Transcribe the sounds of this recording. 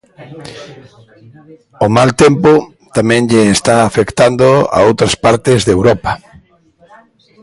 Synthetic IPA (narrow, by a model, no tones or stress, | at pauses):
omalt̪empo | t̪amɛ̃ŋʎeːst̪aːfekt̪and̪oa̰owt̪ɾaspaɾt̪ɪzðewɾɔpɐ